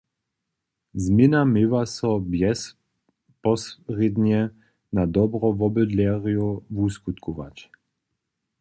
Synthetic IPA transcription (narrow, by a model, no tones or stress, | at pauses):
zmɪnamɪvasɔbjɛs | pɔsʁid̪ɲɛ | nad̪ɔbɾɔvɔbəd̪lʲɛʁijuvuskut̪kʰuva̰t͡ʃ